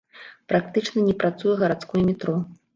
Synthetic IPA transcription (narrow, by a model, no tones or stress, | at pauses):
pɾak̚t̪ɨt͡ʂnɐnʲɛpɾat̪sujɛɣɐɾat̪skujɛmʲɛt̪ɾɔ